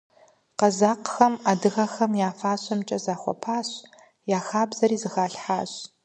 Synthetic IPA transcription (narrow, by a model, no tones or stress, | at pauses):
qɐzaːqxɐmadɨɣɐxɐmjaːfaːɕɐmt͡ʃʼɐzaːχʷɔ̰pʰaːɕ | jaːxaːbzɐɾiːzɨxaːɬħaːɕ